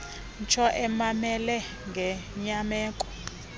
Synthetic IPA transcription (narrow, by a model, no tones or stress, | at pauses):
nt͡ʃʰɔʔɛmamɛlɛ | ŋɡʱɛɲamɛːkʼɔ̥